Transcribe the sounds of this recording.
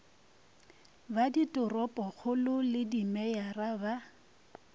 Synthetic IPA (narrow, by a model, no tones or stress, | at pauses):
baditʼʊrɔpʼɔχʊlʊlɪdimɛjaraba